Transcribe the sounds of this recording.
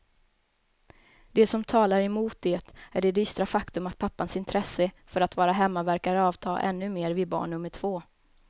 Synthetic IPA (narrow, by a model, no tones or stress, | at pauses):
d̪̥ɛsɔmt̪ʰɑːlaɾɛmuːt̪̚d̪eːt̪æɖɛd̪yːst̪ɾafakt̪ɵmat̪̚pʰapːansɪnt̪ʰɾɛsːəfœɾat̪vɑːɾaɦɛmːavæɾkaɾɑːvt̪ʰɑːʔɛ̰nːɵmeːɾvɪbɑ̰ːɳɳɵmːəʈʰv̥oː